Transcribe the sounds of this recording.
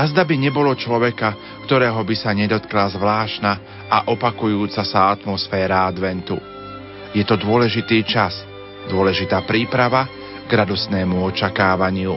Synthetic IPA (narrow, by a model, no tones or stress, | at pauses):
azd̪abiɲɛbɔlɔt͡ʃlɔʋɛka | kt̪ɔɾɛːɦɔbisaɲɛd̪ɔt̪klazʋlaːʃna | aʔɔpakujuːt͡sasaat̪mɔsfɛːɾaad̪ʋɛnt̪u | jɛt̪ɔd̪ʊɔlɛʒit̪iːt͡ʃas | d̪ʊɔlɛʒit̪aːpɾiːpɾaʋa | ɡɾad̪ɔsnɛːmuɔt͡ʃakaːʋaɲɪu